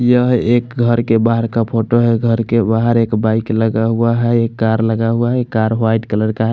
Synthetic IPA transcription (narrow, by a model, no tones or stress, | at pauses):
jəɦekɡʱəɾkebaɦəɾkapʰoʈoɦɛɡʱəɾkebaɦəɾekbaikləɡaɦuaɦɛekːaɾləɡaɦuaɦɛkːaɾɦajʈkələɾkaɦɛ